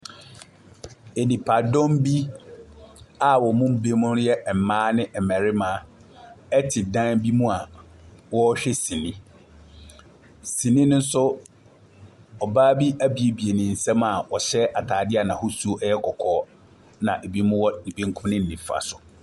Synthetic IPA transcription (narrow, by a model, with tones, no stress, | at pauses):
e˨nĩ˨pʰa˨dɔ̃˦m˦bi˦ | a˨wɔ˨mʊ̃˦m̩˦be˦mʊ̃˦ɾjɛ˦ʔm̩˨mãː˦nɪ̃˦ʔɛ˨mæ˨ɾɪ˦mãː˨˦ | ɛ˦tʰɪ˨dã˦nbi˦mũ˦a˨wɔ˦ɕᶣɛ˦sĩ˨nĩ˦ | sĩ˨nĩ˦nʊ̃˦n̩˦sʊ˦ | ɔ˨baː˦bi˦ʔæ˦bi˨e˨bi˨e˨nɪ̃˨n̩˨sɛ̃˦ma˨wɔ˨ɕɛ˦ʔa˨tʰaː˨dɪ˦a˨nã˨hʊ˦su˦o˦ʔɛ˦jɛ˦kʰɔ˨kʰɔː˦ | nã̰˨ʔe˨bi˦mʊ̃˦wɔ˦nĩ˨bĩ˦ŋ̩˦kʰʊ̃˦mnɪ̃˦n̩˨nĩ˨fa̰˨sʊ˨